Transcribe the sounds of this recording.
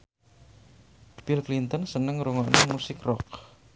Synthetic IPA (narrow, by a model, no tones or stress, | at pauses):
b̥ilklint̪ɔnsənəŋɾuŋɔʔnemusɪkrɔk̚